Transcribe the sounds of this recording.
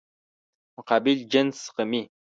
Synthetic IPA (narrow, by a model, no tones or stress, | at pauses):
muqɑːbild͡ʒɐnsɨ̥qəmiː